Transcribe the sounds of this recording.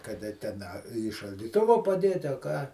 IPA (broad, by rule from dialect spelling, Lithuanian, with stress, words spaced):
kɐˈdɐ tʲɛn ˈɐ iː ʃɐlʲdʲiːˈtʊʋoː pɐˈdʲeːtʲɪ ɐ ˈkɑː